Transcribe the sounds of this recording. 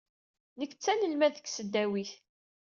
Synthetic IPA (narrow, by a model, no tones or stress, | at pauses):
nəkːt͡sːæləlmæðəkːsəd̪ːæwiθ